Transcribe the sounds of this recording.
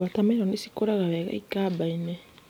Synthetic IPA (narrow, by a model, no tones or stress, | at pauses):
atameɾonisi̥koɾaɣaβeka̰ikabaine